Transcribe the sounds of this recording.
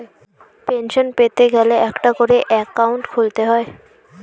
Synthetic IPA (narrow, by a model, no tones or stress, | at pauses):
penʃonpet̪eɡɛleɛkʈakoɾeʔɛkːawɳʈkʰult̪eɦɔe